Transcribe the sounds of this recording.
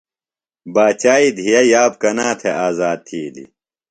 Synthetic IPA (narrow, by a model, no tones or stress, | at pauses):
baːt͡ɕaːid̪ʱijɐjaːb̚kɐnaːt̪ʰeaːzaːd̪̚t̪ʰːiːlḭ